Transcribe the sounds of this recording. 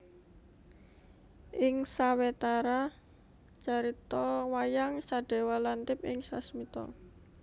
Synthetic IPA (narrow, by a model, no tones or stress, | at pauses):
ʔɪŋsawet̪aɾa | t͡ʃaɾit̪ɔwajaŋsaɖ̥e̤walant̪ɪpɪŋsasmit̪ɔ̰